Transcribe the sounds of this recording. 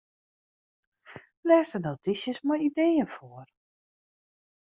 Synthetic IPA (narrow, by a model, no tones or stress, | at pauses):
lɛːsənotisjəsmajidejənfoər